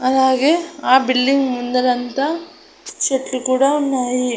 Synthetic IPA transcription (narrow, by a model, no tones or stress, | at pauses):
ɐlaːɡeaːbilːiŋɡmund̪ɐlɐnt̪ɐ | t͡ʃeʈlukuːɽɐonːaːji